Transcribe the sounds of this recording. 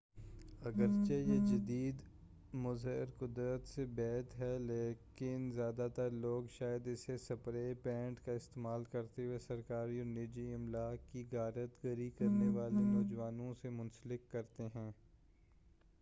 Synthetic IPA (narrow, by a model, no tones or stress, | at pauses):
ɐɡəɾt͡ʃejed͡ʒɐd̪iːd̪ | mʊzɪɾkʊd̪ɾət̪sebɛːt̪ɦɛleːkɪnzjaːd̪at̪əɾloːɡʃaːjəd̪ɪsesɐpɾepɛ̃ːɳʈkaɪst̪eːmaːlkɐɾt̪eɦuwesɐɾkaːɾiɔːɾnɪːd͡ʒiɪmlaːkiɡaːɾət̪ɡəɾikɐɾneʋaːlenɔːd͡ʒʋaːnõsemʊ̃nsəlɪkːɐɾt̪eɦɛ̃ː